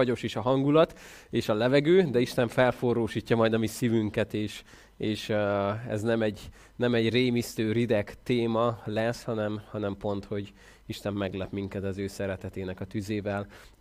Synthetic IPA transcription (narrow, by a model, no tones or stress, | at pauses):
ɒɟo̞ʃeːʃɒɦɒŋɡulɒt̪ | eːʃɒlɛvɛɡøːd̪ɛiʃt̪ɛɱfɛlforoːʃiːcːɒmɒjd̪ɒmisivyŋkɛt̪eːʃ | eːʃɛ̰znɛmɛɟ | nɛmɛɟreːmist̪øːɾid̪ɛkt̪eːmɒlɛshɒnɛmhɒnɛmpo̞nt̪ho̞ɟ | iʃt̪ɛmːɛɡlɛpmiŋkɛt̪ɒzøːsɛɾɛt̪ɛt̪eːnɛkɒt̪yzeːvɛl